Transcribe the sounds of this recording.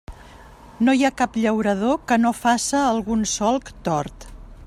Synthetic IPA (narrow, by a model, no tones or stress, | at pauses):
nojakapʎəwɾəðokənofasəːlˠɣunsɔlˠkt̪ɔɾt̪